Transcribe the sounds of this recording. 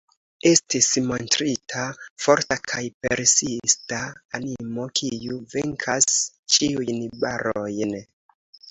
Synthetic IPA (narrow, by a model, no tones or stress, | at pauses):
e̞stismo̞ntɾitʰafo̞ɾtakʰajpeɾsistaːnimo̞kʰijuveŋkʰas | t͡ʃiujnbaɾʔo̞jn